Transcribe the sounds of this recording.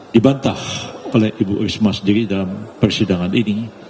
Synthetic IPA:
dibant̪aholɛhibuʔɾismasəndiɾidalampərsidaŋanini

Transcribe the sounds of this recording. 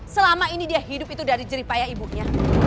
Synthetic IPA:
səlamainidiaɦidʊp̚it̪udaɾid͡ʒəɾipajaibuɲa

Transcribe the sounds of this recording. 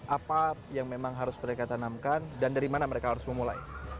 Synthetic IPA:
ʔapajaŋmemaŋɦaɾʊsməɾekat̪anamkandandaɾimanaməɾekaɦaɾʊsməmula̰j

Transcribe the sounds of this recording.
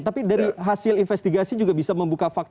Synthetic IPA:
t̪apidaɾiɦasɪlinfɛst̪iɡasid͡ʒuɡabisaməmbukafak̚t̪

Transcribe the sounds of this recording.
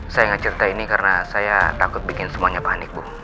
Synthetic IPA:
sajaŋat͡ʃəɾit̪ainikarnasajat̪akʊt̪̚bikɪnsəmuaɲapanɪk̚bʊh

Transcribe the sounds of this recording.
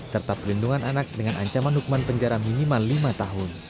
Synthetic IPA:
sərt̪apəlinduŋanʔanak̚dəŋanʔa̰ɲt͡ʃamanɦukumanpəɲd͡ʒaɾaminimalimat̪aɦʊn

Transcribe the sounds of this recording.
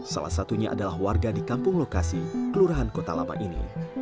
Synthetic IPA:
sa̰la̰hsat̪uɲaʔa̰dalahwarɡadikampʊŋlokasikəluɾaɦankot̪ala̰ma̰ʔinḭ

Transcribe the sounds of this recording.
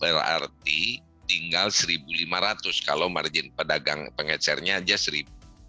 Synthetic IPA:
bəra̰rt̪i | t̪iŋɡalsəɾibulimaɾat̪ʊskaloma̰rd͡ʒɪnpədaɡaŋpəŋət͡ʃɛrɲaːd͡ʒasəɾibu

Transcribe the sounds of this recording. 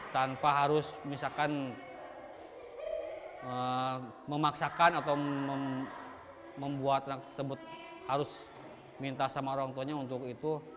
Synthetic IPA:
t̪anpaɦaɾʊsmisakan | ə | məmaksakanat̪awmə | məmbuat̪̚anak̚t̪əsəbʊt̪̚ | haɾʊs | mint̪asamaoaŋt̪uɲaunt̪ʊkit̪u

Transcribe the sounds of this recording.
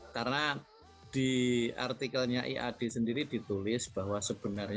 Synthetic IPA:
karna | d̥ia̰rt̪ikəlɲaʔḭʔa̰d̥e̤səndiɾid̥i̤t̪ulɪsb̥ahwasəb̥ənərɲa

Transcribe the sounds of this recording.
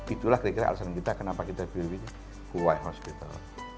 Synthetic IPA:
it̪ulahkɾakiɾa̰ʔa̰lsaɾankit̪akənapakit̪apiɾwi | kuwaiɦɔspit̪a̰l

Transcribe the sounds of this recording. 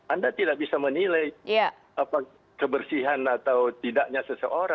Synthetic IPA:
andat̪idaʔ̚bisamənilajja | apa | kəbərsiɦanat̪awt̪idaʔɲasəsəʔoɾa

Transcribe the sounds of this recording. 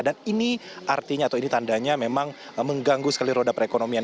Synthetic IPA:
daniniʔart̪iɲat̪awinit̪andaɲamemaŋməŋɡaŋɡusə̥kaliɾodapəɾekonomia

